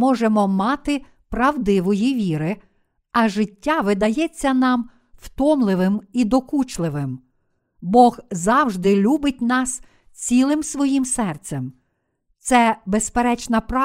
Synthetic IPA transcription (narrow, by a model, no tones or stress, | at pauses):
mɔʒemɔmɑt̪ɪ | pɾɐwd̪ɪʋɔjiʋʲiɾɪ | ɐʒɪtʲːaʋɪd̪ɐjɛt͡sʲːɐnɑm | w̥t̪ɔmlˠɪʋɪmid̪ɔkut͡ʃlˠɪʋɪm | bɔɣzɑwʒd̪ɪlʲubɪt̚ʲnɑs | t͡sʲilˠɪmsʋɔjimsɛrt̪sem | t̪sɛbespeɾɛt͡ʃnɐpɾɑ